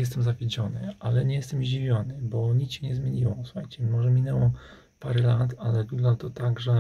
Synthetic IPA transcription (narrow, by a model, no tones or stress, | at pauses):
jɛst̪ɛmzavʲed͡ʑɔnɘ̰alɛɲɛjɛst̪ɛmʑd͡ʑivʲjɔnɘbɔɲit̪ɕɛɲɛzmʲeɲiwɔsu̥xajt͡ɕɛmɔʐɛmʲinɛwɔ | paɾɛlat̪alɛɡuɡlat̪ɔt̪aɡʐɛ